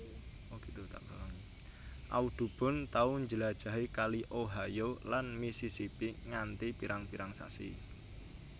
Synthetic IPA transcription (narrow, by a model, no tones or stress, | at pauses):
oɡ̥it̪ut̪a̰ʔb̥an | ʔa̰ud̪̥ṳb̥ɔ̤nt̪aʊɲd͡ʒəlad̥ʒ̥a̤ɦikaliʔoɦajolanmisisipiŋant̪ipiɾaŋpiɾaŋsa̰sḭ